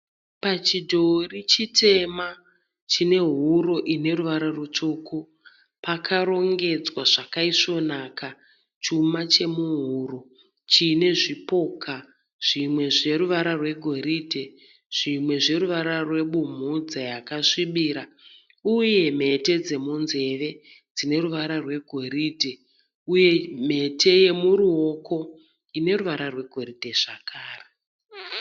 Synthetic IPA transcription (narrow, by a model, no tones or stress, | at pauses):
pat͡ʃidʱo̞rit͡ʃitʰe̞ma | t͡ʃine̞ɦuɾo̞ʔine̞ruʋaɾarut͡ʃoːko | pakʰaɾo̞ŋɡe̞d͡zwaʐakaiʂo̞naka | t͡ʃumat͡ʃe̞muɦuːɾo | t͡ʃine̞ʐipo̞kʰa | ʐ̥imwe̞ʐe̞ɾuʋaɾarwe̞ɡʱo̞ɾidʱe | ʐ̥imwe̞ʐe̞ɾuʋaɾarwe̞ɓum̤ud͡zajakaʂiɓiːɾa | uje̞me̞te̞d͡ze̞munze̞ʋe̞ | d͡zine̞ɾuʋaɾarwe̞ɡʱo̞riːdʱe | uje̞me̞tʰe̞je̞muɾuo̞ko̞ | ine̞ɾuʋaɾarwe̞ɡʱo̞ridʱe̞ʐ̥akʰaːre